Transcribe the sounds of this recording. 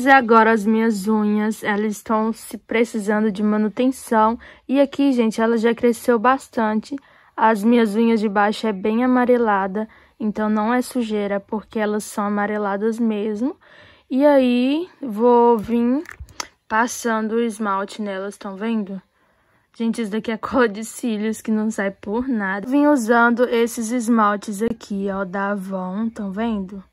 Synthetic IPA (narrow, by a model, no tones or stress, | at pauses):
zɪaɡɔɾɐːzmĩɲɐzũɲɐsɛlɐzɪst̪ɐ̃w̃sɪpɾesizɐ̃nd̪ʊd͡ʒɪmɐ̃nut̪ẽsɐ̃w̃ɪakiʒẽnt͡ʃɪɛlɐʒakɾesewbast̪ɐ̃t͡ʃɪ | ɐzmĩɲɐzũɲɐzd͡ʒɪbajʃʊɛbẽj̃amaɾelad̪ɐ | ẽnt̪ɐ̃w̃nɐ̃w̃ɛsuʒeɾɐpoɾkeɛlɐsːɐ̃w̃amaɾelad̪ɐzmezmʊ | iaivovĩ | pasɐ̃nd̪ʊizmawt͡ʃɪnɛlɐst̪ɐ̃w̃vẽnd̪ʊ | ʒ̥ẽnt͡ʃɪzd̪ɐkiakʰɔlɐd͡ʒɪsiʎʊskɪnɐ̃w̃sajpoɾnad̪ɐvĩuzɐ̃nd̪ʊesɪzɪzmawt͡ʃɪzakʰiawd̪avɐ̃w̃t̪ɐ̃w̃vẽnd̪ʊ